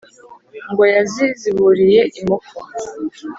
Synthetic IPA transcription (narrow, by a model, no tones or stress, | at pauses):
ŋɡo̞jaziziβuɾije̞ʔimoko